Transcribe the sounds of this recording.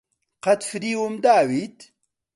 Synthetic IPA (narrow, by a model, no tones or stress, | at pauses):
qɐt̪fiɾiːwumd̪aːwiːt̪